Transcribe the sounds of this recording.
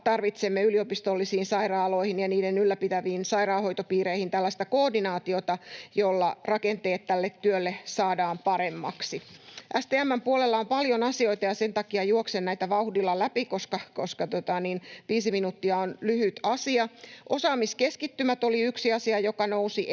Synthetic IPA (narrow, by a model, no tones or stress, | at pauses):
t̪ɑrʋit̪semːeyliopist̪olːisiːnsɑirɑːlo̞ihinjɑniːdenylːæpit̪æʋiːnsɑiɾɑːho̞jt̪opiːɾeihint̪ælːæst̪ækoːdinɑːt̪iot̪ɑjolːɑrɑkent̪eːt̪tælːet̪tyølːesɑːdɑːmpɑɾemːɑ̰ksiʔæst̪eːæmːæmpuolelːɑompɑljonɑsio̞it̪ɑjɑsent̪ɑkiɑjuoksennæit̪æʋɑuhdilːɑlæpikoskɑkoskɑt̪ot̪ɑninʋiːsiminut̪ːiɑonlyhyt̪ɑsiɑʔosɑːmiskeskit̪ːymæt̪oliyksiɑsiɑjokɑnousi